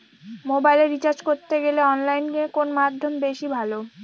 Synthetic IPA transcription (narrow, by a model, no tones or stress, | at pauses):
mobajleɾit͡ɕaɾd͡ʑkoɾt̪eɡeleɔnlajnkiekonomad̪ʱːombeʃibʱalo